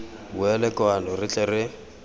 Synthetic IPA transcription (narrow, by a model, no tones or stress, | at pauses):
buɛlɛkwanɔrɪt͡ɬʼɛrɪ